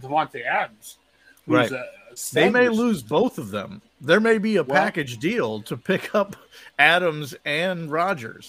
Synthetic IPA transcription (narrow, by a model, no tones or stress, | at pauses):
əwɑ̃ntiæɾəmz̥ | ɹaɪzðeɪmeɪlʉzboʊθʌvðə̰̃m | ðə˞meɪbiɨpʰækɨd͡ʒdilˠtʰɨpʰɪkʰʌp | æɾə̃mzɨ̃nɹɑd͡ʒə̰˞z̥